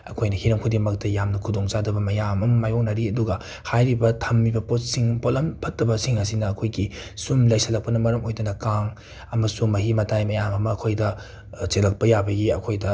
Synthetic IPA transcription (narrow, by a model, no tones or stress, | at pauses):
ɐ̰kʰojnɐhiɾɐmkʰudimɐk̚tɐjamnɐkʰudoŋt͡ʃadɐbɐmɐjamɐmːajok̚nɐɾiɐduɡɐ | hajɾibɐtʰɐmːibɐpot̚siŋpolɐmpʰɐtːɐbɐsiŋɐsinɐːkʰojɡisumlɐjsʰɐlɐk̚pɐnɐmɐɾɐmojdɐnɐkaŋ | ɐmɐsumɐɦimɐtʰajmɐjamɐmɐːkʰojdɐ | t͡ʃelɐk̚pɐjabɐɡiɐkʰojdɐ